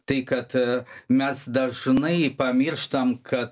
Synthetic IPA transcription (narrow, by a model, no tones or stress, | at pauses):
t̪ɐɪkɐt̪mʲɛsd̪ɐʒnɐɪpɐmʲɪɾʃt̪ɐmkʰɐt̪